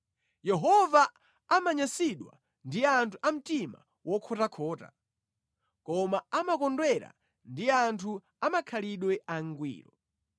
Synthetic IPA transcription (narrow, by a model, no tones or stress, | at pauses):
jɛɦɔvaː | maɲasiɗwa̰ | ndiantʰuʔam̩tima̰ | wɔkʰɔtakʰɔːta | kɔmaamakɔndwɛɾa̰ | ndiantʰu | amakʰaliɗwɛʔaŋɡwḭːɾɔ